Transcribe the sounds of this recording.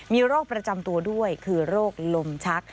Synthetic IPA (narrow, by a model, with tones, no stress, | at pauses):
miː˧ɾoː˥˩k̚pɾa˧t͡ɕa˧mt̪u˧ɐdu˥˩əjkʰɯː˧ɾoː˥˩k̚lo˧mt͡ɕʰa˦˥k̚